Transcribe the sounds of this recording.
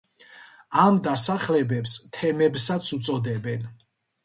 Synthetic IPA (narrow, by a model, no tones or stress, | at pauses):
amd̪asaχlɛbɛpst̪ʰɛmɛbsat̪sʰumt̪sʼɔd̪ɛbɛn